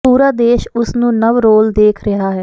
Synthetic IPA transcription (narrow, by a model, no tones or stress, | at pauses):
puːɾaːd̪eːʃʊsnũːnəʋɾoːld̪eːkʰɾɪɦaːɦɛː